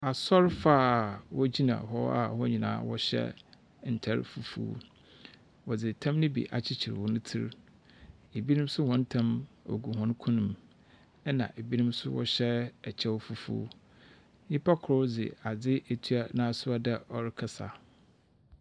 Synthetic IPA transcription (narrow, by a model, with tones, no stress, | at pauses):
a˨sɔ˦ɾfaː˦˨wɔ˦d͡ʑi˦nã̰˨ɦɔ˦a̰˨hɔ˦ɲĩ˨nã̰ː˨˦wɔ˦ɕɛ̰˦ | n̩˨tʰɛ˦ɾ̰fu˨fṵ˦˨˦ | wɔ˨d͡zɪ˨tʰã˦mnɪ̃˦bḭ˨ʔa̰˨t͡ɕʰɪ˦t͡ɕʰɪ˨ɾwɔ˨nʊ̃˦tʰḭ˦ɾ | e˨bi˦nĩ˦m˦sʊ˦hɔ̃˨˦n̩˦tʰã˦mo̰˨ɡu˨ɦɔ̃˦n˦kʰʊ̃˦nʊ̃˨m | ɛ˦nã̰˨ʔe˨bi˦nũ˦msʊ˦wɔ̰˦ɕɛ˦ɛ˨t͡ɕʰɛ˦wfu˨fṵː˦ | ɲɪ̃˦pʰa˦kʰʊ˨ɾɔ˦d͡zɪ̰˨a˨d͡zɪ˦ʔe˨tʰɥa˦nãː˦sʊ˦a˦dɛ˦ɔ˦˨ɾɪ˦kʰa˦sa̰˨